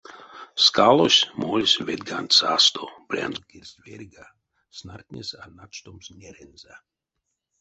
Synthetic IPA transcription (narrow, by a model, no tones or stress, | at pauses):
skalˠosʲmolʲsʲvʲed̪̚ɡanʲt̪ʲsast̪ob̥ɾʲa̰nzkeɾʲsʲverʲɡa | snart̪ʲnʲesanat͡ʃt̪omsnʲeɾenza